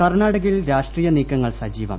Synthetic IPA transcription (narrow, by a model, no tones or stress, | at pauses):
kɐrɳaːɽɐɣilɾaːʂʈriːjɐniːkːɐŋːɐɭsɐd͡ʑiːʋɐ̰m